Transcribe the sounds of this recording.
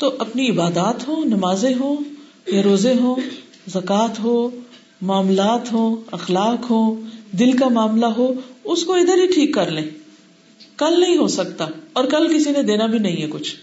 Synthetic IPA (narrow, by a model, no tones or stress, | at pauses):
t̪oʔɐpniɪbaːd̪aːt̪ɦoːnɐmaːzẽɦoː | jeɾoːzeɦoː | zɐkaːt̪ɦoː | maːmlaːt̪ɦoːɐxlaːkɦoːd̪ɪlkamaːmlaɦoːʊskoɪd̪əɾɦiʈʰiːkːɐɾlẽː | kɐlnɐɦĩɦoːsɐk̚t̪aɔːɾkɐlkɪsinẽd̪eːnabʱinɐɦĩɦɛkʊt͡ʃʰ